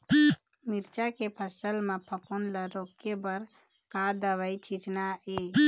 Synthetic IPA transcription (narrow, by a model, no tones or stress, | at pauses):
miɾt͡ʃakepʰəsəlmepʰəponləɾokebəɾ | kad̪əʋəjt͡ʃʰit͡ʃnae